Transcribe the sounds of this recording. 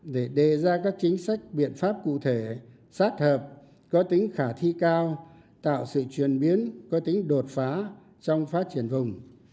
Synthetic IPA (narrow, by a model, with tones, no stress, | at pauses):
ɗe˧˩ɗe˨˩zaː˧kaː˦˥k̚t͡ɕï˨˦ŋ̟sa˦˥jk̚ɓḭ˧˨ənfaː˦˥p̚kṵ˧˨t̪ʰe˧˩ | saː˦˥t̚həː˨˩p̚ | kɔ˨˦t̪ï˨˦ŋ̟xaː˧˩t̪ʰi˧kaː˧w | t̪a̰ː˧˨wsɨ̰˧˨t͡ɕwi˧˨˩ənɓi˨˦ənkɔ˨˦t̪ï˨˦ŋ̟ɗo˨˩t̚faː˨˦ | t͡ɕɔ˧wŋ͡mfaː˦˥t̚t͡ɕi˧˩ənvʊ˨˩ŋ͡m